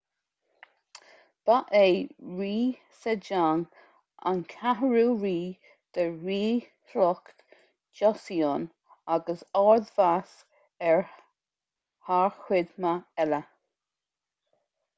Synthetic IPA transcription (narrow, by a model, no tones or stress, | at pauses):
b̥aʔeːɹiː | sɛd͡ʒaŋ | a̰nkʰaɦəɹuːɹiː | d̪̥əɹiː | hlɔkt | d͡ʒɔsiɔn | aɡəsɔɹðvas | ɛɹ | haɹxwɪd̪maɛlə